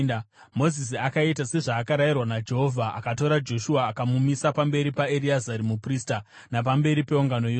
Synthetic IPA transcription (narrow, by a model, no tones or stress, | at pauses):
mo̞zis̬iakaitase̞ʐaːkaɾajirwanad͡ʒeɦovʱaʔa̰kato̞ɾad͡ʒo̞ʃuaːkamumisapambe̞ɾipaeɾiazaɾimuprista | nap̬ambe̞ɾipe̞uŋɡano̞jo